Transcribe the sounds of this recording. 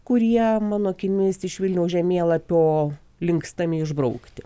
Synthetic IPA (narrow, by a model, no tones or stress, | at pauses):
kʊɾʲiɛmɑːnoːkʲɪmʲɪɪsɪʃʋʲɪlʲnʲɛʊsʒʲɛmʲeːlˠɐpʲoː | lʲɪŋkst̪ɐmʲɪɪʒbrɐʊkt̪ʲɪ